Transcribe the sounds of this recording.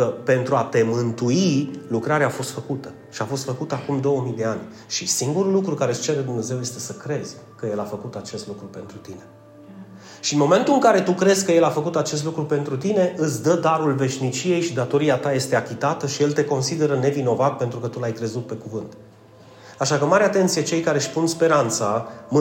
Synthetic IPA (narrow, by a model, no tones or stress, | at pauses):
kəpe̞nt̪ɾuat̪e̞mɨnt̪uilukɾaɾeaːfo̞st̪fəkut̪ə̥ | ʃiafo̞st̪fəkut̪əakumd̪o̞wəmijd̪e̞anʲ | ʃisiŋɡuɾulukɾukaɾe̞ɨst͡ʃe̞ɾed̪umne̞ze̞wje̞st̪e̞səkɾe̞z̥ʲ | kəje̞lafəkut̪at͡ʃe̞st̪lukɾupe̞nt̪ɾut̪ine̞ | ʃiɨnmo̞me̞nt̪ulɨŋkaɾe̞t̪ukɾe̞zʲkəje̞lafəkut̪at͡ʃe̞s̬t̪lukɾupe̞nt̪ɾut̪ine̞ʔɨt̪sʲd̪əd̪aɾulve̞ʃnit͡ʃije̞jʃid̪at̪o̞ɾiat̪aje̞st̪e̞akʲit̪at̪əʃije̞lt̪e̞ko̞nsid̪e̞ɾəne̞vino̞vat̪̚pe̞nt̪ɾukət̪ulajkɾe̞zut̪̚pe̞kuvɨnt̪ | aʃakəmaɾeat̪e̞nt̪sije̞t͡ʃe̞jkaɾe̞ʃpunspe̞ɾant̪sam